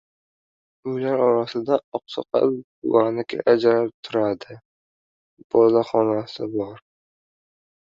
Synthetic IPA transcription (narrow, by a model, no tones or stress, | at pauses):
ʊlaɾɒɾasɪd̪aɒqsɒ̰qʰɑ̰ | wanɪkʲʰa̰ʔad͡ʒaɾap̚t̪ʰʊɾad̪ɪ | b̥ɒlaχɒnasɪbɒɾ